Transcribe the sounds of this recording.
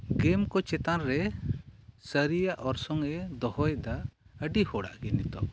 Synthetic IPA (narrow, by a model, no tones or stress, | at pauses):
ɡɛmkɔt͡ʃɛt̪anɾɛ | səɾijaʔɔɾsɔŋɛd̪ɔhɔjd̪aəɖihɔɽa̰ʔɡɛnit̪ɔ̰